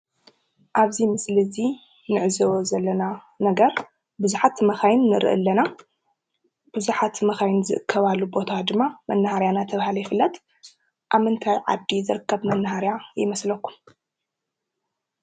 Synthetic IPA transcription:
ʔaβzimɨslɨzi | nɨʕɨzɐwozɐlːɐna | nɐɡɐɾ | bɨzuħat̪mɐxajnːɨɾɨ̰ʔɨ̰lːɐna | b̥ɨzuħat̪mɐxajɪnzɨ̰ʔɨkʰːɐβalːubo̞t̪ʰad̪ɨmːamɐnːɐhaɾjanat̪ʰɐβahaljɪfɨlːɐt̪ | ʔamɨnt̪ʰajʕa̰d̪ːizɨɾɨkːɐβmɐnːɨɦaɾjajɪmɐslɐkːum

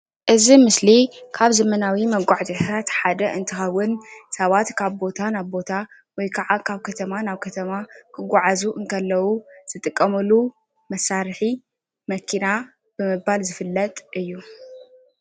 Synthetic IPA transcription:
ʔɨzimɨslikʰaβzɐmɐnawimɐɡʷaʕd̪ɐt̪ʰat̪ħad̪ɐʔɨnt̪ʰɨxɐwʊnsɐβat̪kʰaβbo̞t̪ʰanaβbo̞t̪ʰa | wɔjkʰɐʕakʰaβkʰɐt̪ʰɐmanaβkʰɐt̪ʰɐmakʰɨɡʷaʕazuʔɨnkʰɐlːɐwuz̥ɨt̪ʼɨkʼːɐmɨlu | mɐsaɾħi | mɐkʰina | b̥ɨmɨbalzɨfɨlːɐt̪ʼʔɨjːu

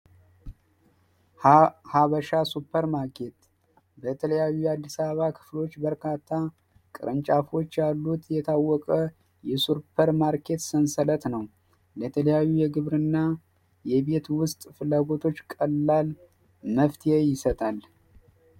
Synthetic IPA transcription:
haβəʃasupʰːəɾmaɾkʰe̞t̪ | bət̪ʰələjajːujɛad̪ːisaβəβakʰɨ̥flo̞t͡ʃːbəɾkʰat̪ʰːa | kʼɨ̰ɾɨnt͡ʃʼafo̞t͡ʃːjalːut̪jɛt̪ʰawːɔkʼə | jɛsuɾpʰːəɾmaɾkʰe̞t̪sənsələt̪nəw | lət̪ʰələjajːujɛɡɨβɾɨnːa | jɛβe̞t̪wʊst̪ʼfɨlːaɡo̞t̪ʰo̞t͡ʃːkʼəlːal | məft̪ʰijejɪsət̪ʼal

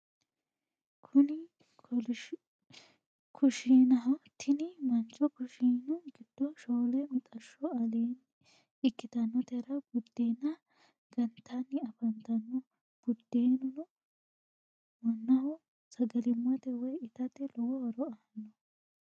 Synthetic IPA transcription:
kʰʊnɪ | kʰʊʃiːnɐɦɐt̪ʰːɪnɪmɐnt͡ʃʼɔkʊʃiːnʊɡɪd̪̥ːɔʃoːlɛmʊkʼɐʃːɔɐleːn | ɪkːɪt̪ɐnːɔt̪ɛɾɐbʊd̪ːe̞ːnːɐ | ɡ̥ɐnt̪ʰːanːɪɐfɐnt̪ɐnːɔ | b̥ʊd̪ːeːnʊlɔ | wɔnːɐɦɔ | sɐɡɐlɪmɐt̪ɛwɔjɪt̪ɐt̪ɛlɔwɔwɐɾɔɐhɐnːɔ

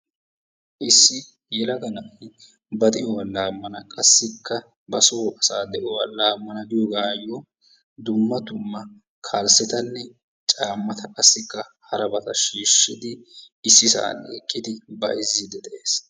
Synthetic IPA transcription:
ʔɪsːɪ | jɛlɐɡɐnɐʔɪ | bɐt̪ʼɪjɔwɐlaːmːɐnɐkʼɐsːɪkːɐ | bɐsoːʔɐsaːd̪ɛʔɔwɐlaːmːɐnɐɡɪjɔɡaːjɔ | d̪ʊmːɐd̪ʊmːɐ | kʰaːlsɛt̪ɐnːɛ | t͡ʃʼaːmːɐt̪ʰɐkʼɐsːɪkːɐhɐɾɐbɐt̪ɐʃiːʃːɪd̪ɪ | ɪsːɪsa̰ːnɛːkʼːɪd̪ɪbɐ̰ɪzːɪd̪ɛd̪ɛʔeːs

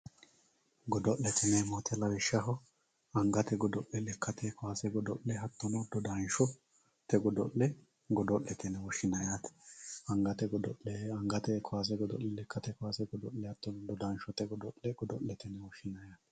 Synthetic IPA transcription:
ɡɔd̪ɔʔlɛt̪ʰɛnɛmɔt̪ʰɛlɐwɪʃɐɦɔ | ɐŋɡɐt̪ɛɡɔd̪ɔʔɛlɛkʰːɐt̪ʰɛkɔwasɛɡɔd̪ɔʔlɛɦɐt̪ːɔnɐd̪ɔd̪ɐnʃɔ | t̪ɛɡɔd̪ɔ̰ʔɛ | ɡɔd̪ɔʔːɛt̪ʰɛnɛwɔʃɪnɐjat̪ɐŋɡɐt̪ɛɡɔd̪ɔʔɛɐŋɡɐt̪ɛkʰɔwas̬ɛɡɔd̪ɔ̰ʔlːɛlɛkːɐt̪ɛkɔasɛɡɔd̪ɔlɛhɐt̪ːɔnɐd̪ɔd̪ɐnʃɔt̪ɛɡɔd̪ɔlːɛɡɔd̪ɔʔlɛt̪ɛnɛwɔʃɪnɐjaːt̪

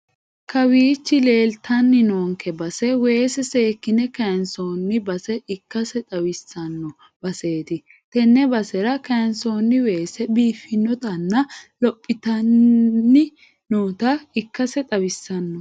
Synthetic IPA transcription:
kɐwiːt͡ʃːɪle̞ːlt̪ʰɐnːɪnoːŋkɛbɐsɛwe̞ːsɛseːkːɪnɛkɐnsoːnːɪbɐsɛʔɪkːɐsɛt̪ʼɐwɪsːɐnːɔ | b̥ɐse̞ːt̪ɪ | t̪ɛnːɛbɐsɛɾɐkɐnsoːnːɪwe̞ːsɛbiːfɪnːɔt̪ɐnːɐlɔpʼːɪt̪ɐnːɪ | noːt̪ɐɪkːɐsɛt̪ʼɐwɪsːɐnːɔ

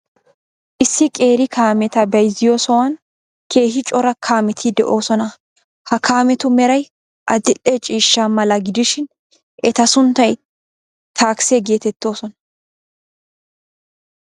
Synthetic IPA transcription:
ʔɪsːɪkʼe̞ːɾɪkʰaːmɛt̪ɐbɐjzɪjosɔwɐn | kʰe̞ːhɪt͡ʃʼɔɾɐkʰaːmɛt̪ʰid̪ɛʔo̞ːsɔnɐ | hɐkʰaːmɛt̪ʊmɛɾɐj | ʔɐd̪ɪʔːɛt͡ʃʼiːʃːamɐlɐɡɪd̪ɪʃɪn | ɛt̪ɐsʊnt̪ːɐj | t̪ʰaːkseɡe̞ːt̪ɛt̪ːo̞ːsɔnɐ

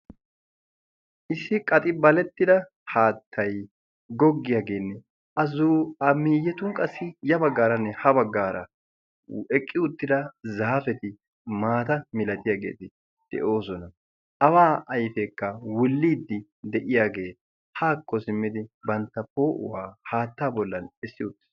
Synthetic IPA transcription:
ʔɪsːɪkʼɐt̪ʼɪbɐlɛt̪ːɪd̪ɐ | haːt̪ʰːɐj | ɡɔɡːɪjaːɡe̞ːnːɛ | ɐzuɐmiːjɛt̪ʊŋkʼɐsːɪjɐbɐɡːaːɾɐnːɛhɐbɐɡːaːɾɐ̰ | ɛkʼːɪʊt̪ːɪd̪ɐzaːfɛt̪ɪ | maːt̪ɐmɪlɐt̪ɪjaːɡe̞̰ːt̪ɪ | d̪̥ɛ̰ʔo̞ːsɔnɐ | ʔɐwaːʔɐjfeːkːɐwʊlːiːd̪ːɪ | d̪ɛʔɪjaːɡe̞ː | haːkːɔsɪmːɪd̪ɪbɐnt̪ːɐpoːʔʊ̰waːhaːt̪ːaːbɔlːɐnɪsːɪʊt̪ːɪ̥s

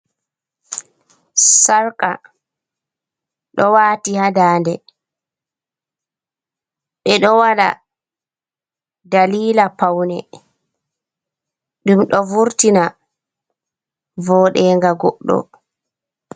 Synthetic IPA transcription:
saɾka̰ | ɗɔwaːtihadaːndɛ | ɓɛɗɔwala̰ | daliːlapawnɛ | ɗumɗɔvuɾtina | vɔːɗɛːŋɡaɡɔɗːɔ̰

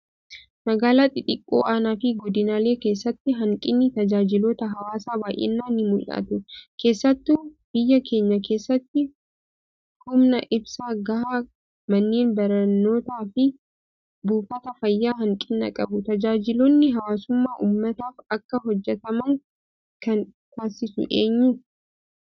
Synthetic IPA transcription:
mɐɡaːlaːt̪ʼɪᶑ̪ɪkʼːo̞̰ːʔaːnaːfɪɡɔd̪ɪnaːle̞ːke̞ːsːɐt̪ːɪɦɐŋkʼɪnːɪt̪ɐd͡ʒaːd͡ʒɪloːt̪ɐɦɐwaːsaːbaːjʔɛ̰nːaːnɪmʊlʔa̰ːt̪ʊke̞ːsːɐt̪ːub̥ɪjːɐke̞ːɲːɐke̞ːsːɐt̪ːɪ | hʊmnɐʔɪbsaːɡɐhaː | mɐnːeːnbɐɾɐnːo̞ːt̪aːfɪ | buːfɐt̪ɐfɐjːaːɦɐŋkʼɪnːɐ̰kʼɐbʊt̪ɐd͡ʒaːd͡ʒɪlɔnːɪɦɐwaːsʊmːaːʔuːmːɐt̪aːfɐkːɐɦɔd͡ʒːɛt̪ɐmɐŋ | kɐn | t̪aːsːɪsʊ̰ʔḛːɲːʊ

